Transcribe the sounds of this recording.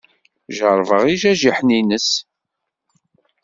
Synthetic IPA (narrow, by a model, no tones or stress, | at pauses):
ʒəɾˤvəʁiʒæʒiħninəs